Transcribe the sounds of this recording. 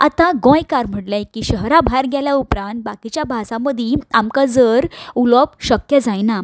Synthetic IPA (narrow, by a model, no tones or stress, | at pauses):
a̰t̪ãɡõjkaɾm̤əʈlãkiɕəɦɾabʱaɾɡjaljaupɾãnt̪̚bakit͡ɕjabʱasãməd̪ʱĩamkad͡zəɾulɔpɕəkjəd͡zajna